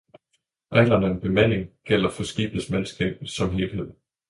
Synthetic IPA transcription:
alɐnæenb̥e̝mæn̰e̝ŋɡ̥el̰ɐfɒ̽sɡ̥ḭːb̥̩smænsɡ̥ɛ̰ːb̥̩̚ˠsɒ̽mɦe̝ːl̥he̝ð̰ˠ

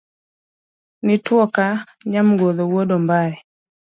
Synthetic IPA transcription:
nitwɔka | ɲam̩ɡɔðɔwɔɗɔmbaɾɛ

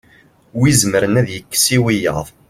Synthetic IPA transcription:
wizməɾənæðjəkːə̥siwijə̰ʁðˤ

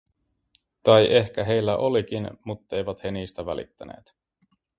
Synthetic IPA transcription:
t̪ɑjʔe̞hk̟æɦe̞jlːæʔo̞lik̟inmut̪ːe̞jʋæt̪he̞niːst̪æʋælḭt̪ːænḛːt̪

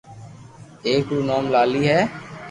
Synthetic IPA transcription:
eːkuːnaːmlaːliːɦɛː

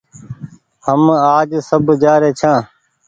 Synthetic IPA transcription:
həmaːd͡ʒsəbd͡ʒaːɾeːt͡ʃʰãː

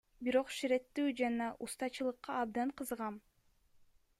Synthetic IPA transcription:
biɾo̞qʃiɾe̞t̪ːyːd͡ʒɑnɑʔust̪ɑt͡ʃɯlˠɯqːɑɑbd̪ɑɴqʰɯzʁɑm

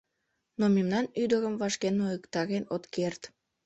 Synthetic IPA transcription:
nomemnɑnyd̪əɣəmvɑʃkenojəkt̪ɑɣenot̪kert̪

